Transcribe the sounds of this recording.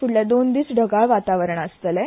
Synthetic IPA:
fuɽlad̪ond̪iːt͡sɖʱəɡaʋat̪aʋəɾəɳəst̪əlɛ

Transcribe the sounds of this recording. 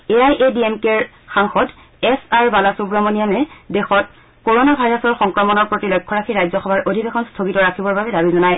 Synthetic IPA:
eajʔediemkeɹ | xaŋxɔd | ɛsaɹbalasubɹɔmonijamɛdexɔt̚ | koɹonabʱajɹasɔɹxɔŋkɹɔmɔnɔɹpɹotilɔjkʰːɔɹakʰiɹajzɔxɔbʱaɹʔodʱibexʰɔnstʰoɡitɔɹakʰibɔɹbabɛdabizɔnaj

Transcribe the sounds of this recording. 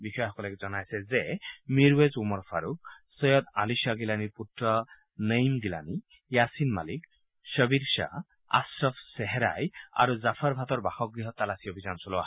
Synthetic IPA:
bixɔjxɔkɔlɛkzɔnajsɛzɛmiɾwezumɔɹpʰaɾuk̚sɔjɔd̪alisaɡilaniputɾɔ | nəjmɡila̰ni | jasinma̰lik | ʃəbiɾʃa̰ | a̰sɾɔfʰsɛɦɛɾa̰ja̰ɾuzapʰaɾbʱat̪ɔɹbaxɔk̚ɡɹiɦɔt̪ːalasiɔbʱizansɔlɔa

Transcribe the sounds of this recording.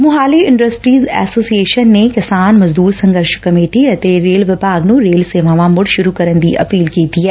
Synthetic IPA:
mʊɦaːliɪ̃ɳɖəsʈɾiːzɛːsoːsieːʃənːekɪsaːnmɐzd̪uːɾsɐ̃ŋɡəɾʃkɐmeːʈiɐt̪eɾeːlʋɪbʱaːɡnũɾeːlseːʋãːʋãmʊɽʃʊɾukɐɾənd̪iʔɐ̰piːlkeːt̪iɦɛː

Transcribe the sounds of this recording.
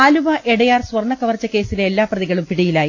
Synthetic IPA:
aːluʋɐʔeɽɐjaːrswɐrɳːɐkɐʋɐrt͡ɕːɐke̞ːsileːlːaːprɐðiɣɐɭumpiɽijilaːji

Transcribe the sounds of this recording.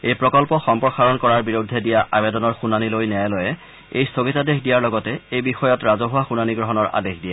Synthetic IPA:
ejpɹɔkɔlpɔxɔmpɹɔxaɹɔnkɔɹaɹbiɹudʱːɛdijaʔabedɔnɔɹxunanilojnɛjlɔjɛ | ejstʰoɡitadexdijaɹlɔɡɔtɛejbixɔjɔtɹazɔɦʊwaxunaniɡɹɔɦɔnɔɹa̰dexdijɛ

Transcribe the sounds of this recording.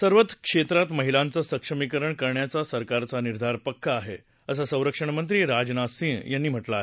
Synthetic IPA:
səɾʋət̪kʂet̪ɾat̪məɦilãnt͡səsəkʂəmikəɾəɳkəɾɳjat͡sasəɾkaɾt͡saniɾd̪ʱaɾpəkʰːaːɦe | əsasə̃w̃ɾəkʂəɳ̃mənt̪̬ɾiːɾad͡ʑnasĩjanːiːm̤əʈlaːɦe

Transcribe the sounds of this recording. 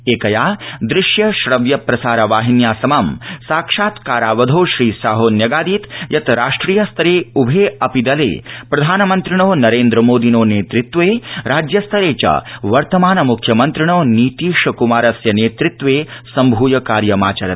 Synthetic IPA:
eːkɐjaːd̪ɾɪʃjɐʃɾɐʋjɐpɾɐsaːɾɐʋaːɦinjaːsɐmamsaːkʂaːt̪kaːɾaːʋɐd̪ʱoːʃɾiːsaːɦoːnjɐɡaːd̪iːt̪jɐt̪ɾaːʂʈɾiːjɐst̪ʰɐɾeːubʱeːɐpid̪ɐlḛːpɾɐd̪ʱaːnɐmɐnt̪ɾiɳ̃oːnɐɾeːnd̪ɾɐmoːd̪inoːneːt̪ɾɪt̪ːʋeːɾaːd͡ʒjɐst̪ʰɐɾeːt͡ʃɐ̰ʋɐɾt̪ɐmaːnɐmukʰjɐmɐnt̪ɾiɳoːniːt̪iːʂɐkumaːɾɐsjɐneːt̪ɾɪt̪ʋeːsɐmbʱuːjɐkaːɾjɐmaːt͡ʃɐɾɐt̪

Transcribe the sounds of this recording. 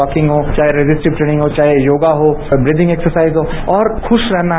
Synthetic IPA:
ɔːkɪ̃ŋɡɦoːt͡ʃaːɦeɾezɪsʈɪbʈɾeːnɪ̃ŋɡɦot͡ʃaːɦejoːɡaɦobɾɪːd̪ɪ̃ŋɡeːksəɾsaːizɦoɔːɾxʊʃɾɛɦna

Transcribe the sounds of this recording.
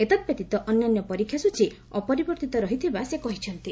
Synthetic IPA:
et̪ad̪̚bet̪it̪ɔʔɔnːanjɔpɔɾikʰːjasut͡ʃʰi | ɔpɔɾibɔɾt̪it̪ɔɾɔɦit̪ʰibasekɔɦit͡ʃʰɔnt̪i

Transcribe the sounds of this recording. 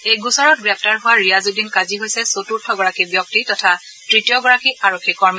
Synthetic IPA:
ejɡusaɹɔt̚ɡɹɛp̚ʰtaɹɦʊwaɹijazudinkaziɦojsɛsotuɹtʰɔɡɔɹakibjɔk̚titɔtʰa | tɹitijɔɡɔɹakiʔaɹokʰːikɔɹma

